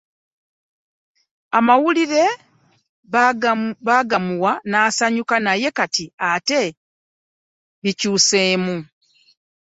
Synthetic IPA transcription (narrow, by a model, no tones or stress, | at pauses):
amawuliɾe̞ | βaɡamuwanaːsaɲukanaje̞katiate̞ | βicuːse̞ːmu